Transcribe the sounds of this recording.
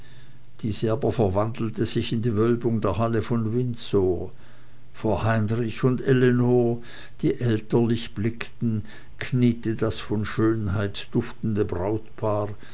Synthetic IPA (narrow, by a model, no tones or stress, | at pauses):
d̥iːzəaːbɐfɛɐvandl̩təz̥ɪçɪndiːvœlbʊŋdeːɐɦaləfɔnvɪnt͡soː | foːɐhaɪnʁɪçʊndʔɛlenoː | d̥iːʔɛltɐlɪçb̥lɪktn̩ | kʰniːtəd̥asfɔnʃøːnhaɪtd̥ʊftn̩dəbʁaʊtpʰaːʁ